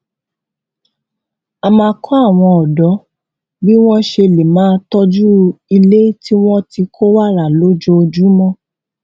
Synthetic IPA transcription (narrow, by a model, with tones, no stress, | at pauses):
a˧mãː˧kʰɔ˦a˦˨w̃ɔ̃˧ɔ˨dɔ˨˦ | bi˦w̃ɔ̃˦ʃe˧le˨mãː˦tɔ˦d͡ʒu˦i˧le˦ti˦w̃ɔ̃˦ti˧kʰo˦wa˦˨ɾa˦˨lo˦d͡ʒo˧o˧d͡ʒu˦mɔ̃˦